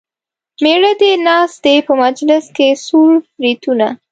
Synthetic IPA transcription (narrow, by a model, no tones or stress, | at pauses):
meɽəd̪enɑst̪epəmad͡ʒlɪskesuɾfɾit̪una